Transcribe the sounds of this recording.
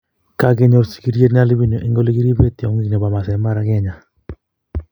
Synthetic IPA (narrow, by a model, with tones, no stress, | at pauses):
ka˨ɡe˦ɲo˨ɾsi̥˨ki˦ɾje˦tn˦a˦li˦bi˦no˨ʔi˦ŋɡo˦li˦ɡi˦ɾi˦be˦tɪ˨ɔ˨ŋi˦kne˨ba˨ma˨sɛ˨˦ma˦ɾa˨˦ɡɛ˦ɲa˨